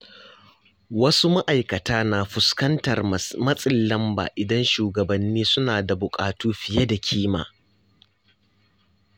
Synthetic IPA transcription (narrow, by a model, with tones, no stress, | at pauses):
wɐ˦su˦ma˦ʔa˨jkɐ˨taː˦naː˨ɸʊ˨skɐ˦ntɐ˨rmɐ˦sʼɪ˦˨lːɐ˦mba̰ː˨ʔɪ˨dɐ˦nʃuː˨ɡɐ˨bɐ˨nːiː˦sʊ˦naː˨da˨bʊ˨kʼaː˨tuː˦ɸɪ˨je˦da˨kʲʰiː˦ma̰ː˨